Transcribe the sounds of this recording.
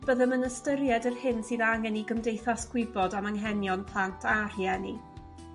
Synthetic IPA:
b̥əðəmənəstəɾjɛdərhɪnsɨːðaŋɛniɡəmdejθasɡ̥wɪbɔdaməŋɦɛnjɔnpʰlˠantʰar̥jɛni

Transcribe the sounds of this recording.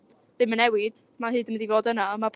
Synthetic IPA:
ðɨmənɛwɪd̥maɦɨːdəmədivoːdənamapʰ

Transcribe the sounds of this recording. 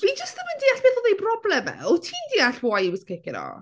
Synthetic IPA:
vid͡ʒəstəməndiːaɬbeːθɔðejbrɔblɛmɛ̰ɔtʰiːndiːaɬwwajwɪskekɪɾɔ̰

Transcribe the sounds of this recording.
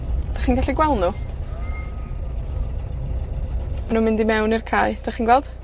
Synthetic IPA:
d̥aχiːnɡaɬiɡwɛlˠnu | manuːmɪndimɛwnirkʰaːɨd̥aχiːnɡwɛlˠd̥

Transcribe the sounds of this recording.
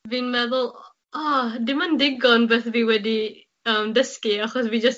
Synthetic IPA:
viːnmɛðʊlˠ | adɪmandɪɡɔnbɛːθviːwɛdi | əmdəskiaχɔsviːd͡ʒəs

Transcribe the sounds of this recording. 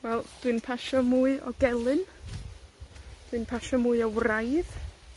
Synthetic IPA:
wɛlˠd̥ɨnpʰaʃɔmuːɨɔ̰ɡɛlˠɨn | d̥wɨnpʰaʃɔmuɨɔwrajð̥

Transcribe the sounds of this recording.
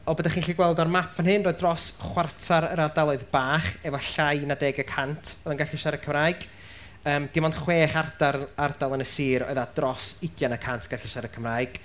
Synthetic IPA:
ɔbədaχiːnɬiɡwɛlˠdɔrmapʰvanɦɨnroːɨdrɔsχwartʰaɾəɾardalˠɔɨðb̥aːχɛvɔɬajnadɛːɡəkʰantʰɔðənŋɡaɬɪʃaɾəkʰəmraːjɡ̥ | əːmd̥imɔndχweːχardaɾardalˠənəsiːɾɔ̰ɨðadrɔsɪɡjanakʰantʰɡ̥aɬɪʃaɾəkʰəmraːɨɡ̥

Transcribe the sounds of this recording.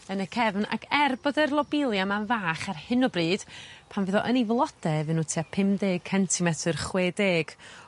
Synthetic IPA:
ənəkʰɛvna̰ɡɛrbɔdɛrlˠɔbɪlˠjamanvaːχarhɨnɔbriːd̥pʰanvɨːðɔʔənivlˠɔd̥ɛvɨnːuːtʰiːapʰɪmdeːɡ̥̚kʰɛntʰimɛtʰɨrχweːdeːɡ̥

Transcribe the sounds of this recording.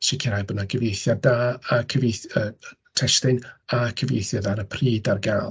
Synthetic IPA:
ʃɪkʰɛɾajbɔdnaɡʰəvejθjadaːkʰəvejθə | tʰɛʃtɨnakʰəvḛjθjadaɾəpʰriːdarɡaːlˠ

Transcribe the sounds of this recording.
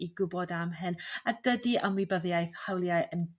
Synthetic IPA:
iɡʊbɔdamɦɨnadədiʔəmwibəðjajθhawlˠjaɨʔən

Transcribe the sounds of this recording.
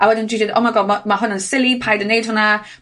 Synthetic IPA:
awɛdɪndɹiːdɪdɔ̰maɡɔamaɦʊnansɪlˠipʰajdənːejd̥hʊna

